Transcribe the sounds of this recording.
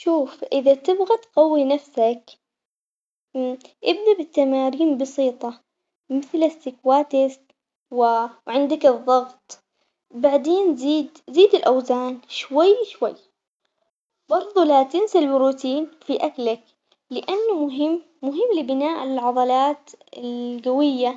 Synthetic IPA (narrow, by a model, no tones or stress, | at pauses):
ʃuːfʔɪðat̪ɪbɣat̪qɑwːinafsak | ʔɪbd̪abɪt̪ːamaːɾiːnbɑsiːt̪ˤɑ | mɪθlɪst̪ɪkwaːt̪ɪst̪ | wɪʕɪnd̪akɨðˤːɑɣt̪ˤ | baʕd̪eːnziːd̪ziːd̪ɪlʔawzaːnʃwajːʃwajː | bɑɾˤðˤulat̪ɪnsalbɪɾuːt̪iːnfiʔaklak | lɪʔanːʊmʊɦɪmːʊɦɪmːlɪbɪnaːʔɪlʕɑd̪ˤɑlaːt̪ɪlɡawɪjːa